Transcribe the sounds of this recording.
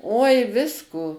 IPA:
oːɪ ˈʋʲɪskoː

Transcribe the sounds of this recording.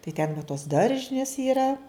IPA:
tɐɪ tʲɛn ʋɐ toːs ˈdɐrʲʒʲɪnʲeːs iːˈrɐ

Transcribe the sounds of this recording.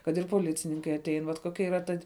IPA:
kɐt ɪr poːˈlʲɪt͡sʲɪnʲɪŋkɐɪ ɐˈtʲɛɪn ʋɐt koːˈkʲɛ iːˈrɐ ˈtɐ

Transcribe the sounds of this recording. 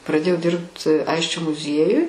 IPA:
prɐˈdʲeːjɛʊ ˈdʲɪrpt ˈɐɪsʲt͡ʃʲoː mʊˈzʲiɛjʊj

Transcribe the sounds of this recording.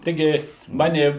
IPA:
ˈtʲɪɡʲɪ ˈmɑːnʲɪ

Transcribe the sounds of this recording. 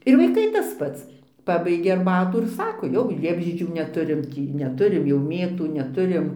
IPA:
ɪr ʋɐɪˈkɐɪ tɐs ˈpɐts ˈpɑːbɐɪɡʲeː ɐrˈbɑːtuː ɪr ˈsɑːkoː jɛʊ ˈlʲiɛbʲʒʲiɛd͡ʒʲuː nʲɛˈtʊrʲɪm ˈtʲiː nʲɛˈtʊrʲɪm jɛʊ ˈmʲeːtuː nʲɛˈtʊrʲɪm

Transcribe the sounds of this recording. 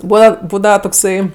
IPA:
ˈbuːʋɐ ˈbuːdɐʋɐ toːkˈsɐɪ

